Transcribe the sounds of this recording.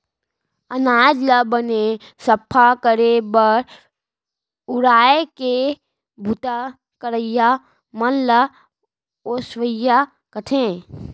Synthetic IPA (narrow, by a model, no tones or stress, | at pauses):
ənaːd͡ʒləbəne | səpʰːakəɾebəɾ | ʊɾaːeke | bʱut̪a | kəɾəja | mənlə | osʋəja | kəʈʰẽ